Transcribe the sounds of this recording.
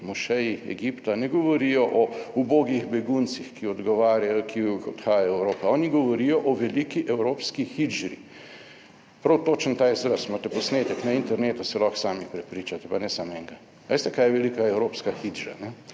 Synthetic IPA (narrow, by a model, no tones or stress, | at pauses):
mɔʃɛjiɛ̰ɡipt̪anɛɡɔʋɔɾijɔʔɔuboːɡiɣbɛɡunt̪sixkiɔd̪ɡɔʋaɾajkiɔt̪xaːjajɔɛwɾoːpɛɔːniɡɔʋɔɾijɔʔɔʋɛliːkiʔɛwɾoːpskixid͡ʒɾḭ | pɾɐwt̪oːt͡ʃənt̪aːjzɾəsmat̪ɛpɔsneːt̪ɛknaint̪ɛɾneːt̪usɛlɔxsaːmipɾɛpɾiːt͡ʃat̪ɛpanɛsamɛŋɡa | ʋeːst̪ɛkaːjɛʋɛlikaɛwɾoːpskaxid͡ʒɾa̰nɛ